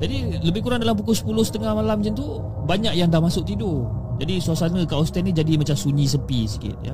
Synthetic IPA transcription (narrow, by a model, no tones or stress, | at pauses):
d͡ʒadiləbɪhkuɾaŋdalamp̬ukʊsə̥pulʊhsə̥t̪əŋahmalamd͡ʒɛnt̪u | baɲak̚jaŋdahmasʊk̚t̪idʊd͡ʒadisuasanəkaʔɔst̪ɛnid͡ʒadimat͡ʃamsuɲĩsəmpisi̥kɪ̰t̪̚ja̰